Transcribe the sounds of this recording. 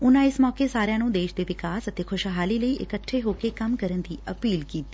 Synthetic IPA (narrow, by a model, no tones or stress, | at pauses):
ʊnãɪsmɔːkesaːɾjãːnũd̪eːʃd̪eʋɪkaːsət̪ekʰʊʃɦaːliləiʔɪ̰kəʈʰːeɦoːkekəmkəɾənt̪ʰiʔəpiːlkiːt̪ː